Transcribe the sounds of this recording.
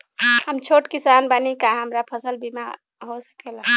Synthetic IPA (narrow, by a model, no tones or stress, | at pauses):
həmt͡ʃʰoʈkisanbanikaɦəmɾapʰəsəlbima̰ | ɦosə̥kela